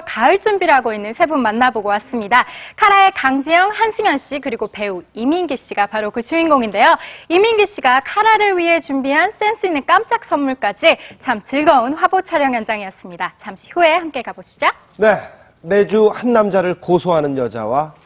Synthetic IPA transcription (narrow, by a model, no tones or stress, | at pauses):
kaɯɭt͡ɕ͈umbiɾɦaɡoinːɯnsʰe̞bunːanːaboɡowas͈ɯmɲidakʰaɾae̞kaŋd͡ʑijʌŋhanɕʰiŋjʌnɕ͈ikɯɾiɡope̞uiminɡiɕ͈iɡapaɾokɯt͡ɕʰuinɡoŋinde̞joiminɡiɕ͈iɡakʰaɾaɾɯɭɥiɦe̞t͡ɕumbiɦans͈e̞ns͈ʰɯinːɯnk͈amt͡ɕ͈ak̚s͈ʌmːuɭk͈ad͡ʑit͡ɕʰamt͡ɕɯɭɡʌunɸwabot͡ɕʰaɾjʌŋjʌnd͡ʑaŋijʌs͈ɯmɲidat͡ɕʰamɕʰi̥hue̞hamk͈e̞kaboɕʰi̥t͡ɕ͈o | ne̞ | me̞d͡ʑuhanːamd͡ʑaɾɯɭkosʰoɦanɯnjʌd͡ʑa̰wa